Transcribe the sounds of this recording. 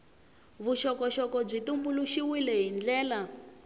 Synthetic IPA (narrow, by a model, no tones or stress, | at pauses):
βuʃɔkɔʃɔkɔb͡ʐitumbuluʃiwilɛɦind͡ɮɛːla